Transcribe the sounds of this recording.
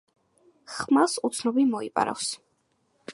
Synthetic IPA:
χmasut̪sʰnɔbimɔipʼa̰ɾa̰fs

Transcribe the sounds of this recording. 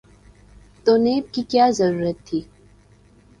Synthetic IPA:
t̪oːneːb̚kikjaːzɐɾuːɾət̪ʰːiː

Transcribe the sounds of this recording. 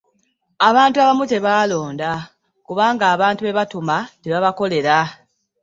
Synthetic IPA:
aβaːntuaβamute̞βaːlo̞ːnda | kuβaːŋɡaːβaːntuβe̞βatumateβaβako̞le̞ɾa

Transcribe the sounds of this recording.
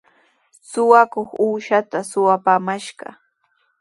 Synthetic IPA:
sʊwakoχuːʃat̪asʊwapaːmaʃɢɑ̰

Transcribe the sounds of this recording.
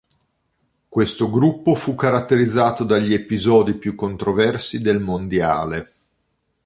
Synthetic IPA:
kwest̪oɡɾupːofukːaɾat̪ːeɾid̪zːaːt̪od̪aʎːiepizɔːd̪ipjukːont̪ɾovɛrsid̪elmond̪ja̰ːle

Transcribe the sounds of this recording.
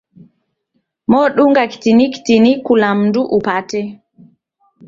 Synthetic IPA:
mɔɗuŋɡaki̥tiniki̥tinikulamnduʔupatɛ

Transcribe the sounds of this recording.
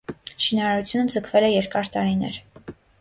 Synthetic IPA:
ʃinɑɾɑɾut͡sʰjunəd͡zəkʰvɛlɛjɛɾkɑɾt̪ɑɾinɛ̰ɾ

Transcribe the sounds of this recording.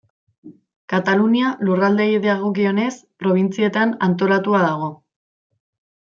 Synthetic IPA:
kat̪alunialurald̪e̞iðeaɣ̞o̞kio̞ne̞spɾo̞β̞int͡sie̞t̪anant̪o̞lat̪uað̞aɣ̞o̞

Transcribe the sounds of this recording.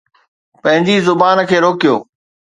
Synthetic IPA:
pɐ̃ɦɪ̃ɲd͡ʑizʊbaːnkʰeːɾoːkijoː

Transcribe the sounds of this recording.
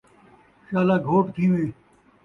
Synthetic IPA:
ʃaːlaːɡʱoːʈt̪ʰiːʋiː

